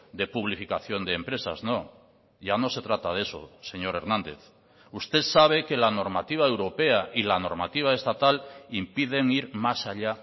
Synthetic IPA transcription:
d̪e̞puβ̞lifikaθjo̞nd̪eːmpɾe̞saznõ̞ | ɟ͡ʝano̞se̞t̪ɾat̪að̞e̞so̰se̞ɲo̞ɾe̞ɾnãnd̪e̞̰θ | ust̪e̞saβ̞e̞ke̞lano̞ɾmat̪iβ̞ae̞wɾo̞pe̞aʔilano̞ɾmat̪iβ̞ae̞st̪at̪alimpið̞e̞ŋiɾmasaʎa

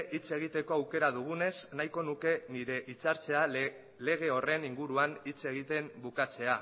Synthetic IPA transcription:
ʔit͡se̞ɣ̞it̪e̞ko̞awke̞ɾað̞uɣ̞une̞snajko̞nuke̞niɾe̞ʔit͡saɾt͡se̞a | le̞ɣ̞e̞o̞re̞niŋɡuɾuanit͡se̞ɣ̞it̪e̞mbukat͡se̞a

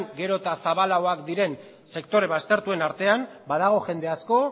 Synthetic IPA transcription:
ŋɡe̞ɾo̞t̪asaβalaoakd̪iɾe̞n | se̞kt̪o̞ɾe̞β̞ast̪e̞ɾt̪ue̞naɾt̪e̞ambað̞aɣ̞o̞ʝe̞nd̪e̞asko̞

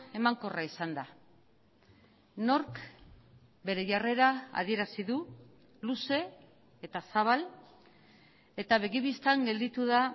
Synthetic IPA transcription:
e̞maŋko̞raisand̪a | no̞ɾk | be̞ɾe̞ʝare̞ɾaa̰ð̞ie̞ɾasiðu | luse̞ | et̪asaβ̞al | e̞t̪aβe̞ɣiβist̪aŋɡe̞ld̪it̪uða

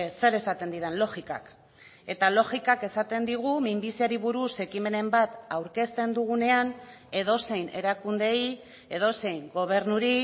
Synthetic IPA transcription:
se̞ɾe̞sat̪e̞nd̪iðe̞nlo̞ɣika̰k | e̞t̪alo̞ʝikake̞sat̪e̞nd̪iɣ̞umimbisiaɾiβuɾuse̞kime̞ne̞mbat̪awɾke̞st̪e̞nd̪uɣune̞an | e̞ð̞o̞se̞jne̞̰ɾakund̪e̞j | e̞ðo̞se̞jŋɡo̞β̞e̞ɾnuɾi

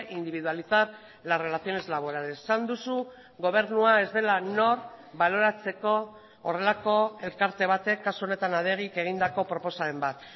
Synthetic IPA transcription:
ind̪iβiðualiθaɾ | lare̞laθio̞ne̞zlaβ̞o̞ɾalessand̪usu | ɣo̞β̞e̞ɾnuae̞zd̪e̞lano̞ɾ | βalo̞ɾat͡se̞ko̞ː | re̞lako̞e̞lkaɾt̪e̞β̞at̪e̞kːasuo̞ne̞t̪anaðe̞ɣ̞ike̞ɣ̞ind̪ako̞pɾo̞po̞saembat̪

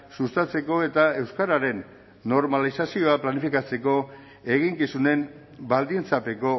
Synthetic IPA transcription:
sust̪at͡se̞ko̞e̞t̪ae̞wskaɾaɾe̞nː | o̞ɾmalisasio̞aplanifikat͡se̞ko̞ | e̞ɣiŋkisune̞m | bald̪int͡sape̞ko̞

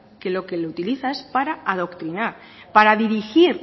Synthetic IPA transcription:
ke̞lo̞ke̞lout̪iliθae̞spaɾaaðo̞kt̪ɾinaɾ | paɾaðiɾixiɾ

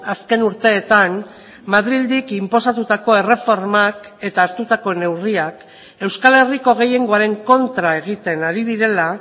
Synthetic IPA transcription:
aske̞nuɾt̪e̞ːt̪an | maðɾild̪ikimpo̞sat̪ut̪ako̞e̞re̞fo̞ɾmake̞t̪aːɾt̪ut̪ako̞ne̞wriak | e̞wskale̞riko̞ɣ̞e̞je̞ŋɡo̞aɾe̞ŋko̞nt̪ɾae̞ɣ̞it̪e̞naɾiðiɾe̞la

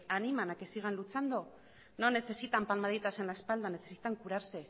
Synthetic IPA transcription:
animanake̞siɣ̞anlut͡sand̪o | no̞nːe̞se̞sit̪ampalmaðet̪ase̞nlaespald̪ane̞sesit̪aŋkuɾaɾse

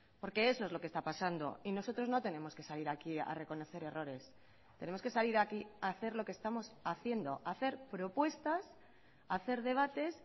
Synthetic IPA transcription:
po̞ɾke̞eso̞ezlo̞ke̞st̪apasand̪o̞̰ino̞so̞t̪ɾo̞zno̞t̪e̞nẽ̞mo̞ske̞saliɾakia̰re̞ko̞no̞θe̞ɾe̞ro̞ɾe̞s | t̪e̞nemoske̞saliɾakiaθe̞ɾlo̞kest̪amo̞saθje̞nd̪o̞ʔaθe̞ɾpɾo̞pwe̞st̪as | aθe̞ɾðe̞β̞at̪e̞s

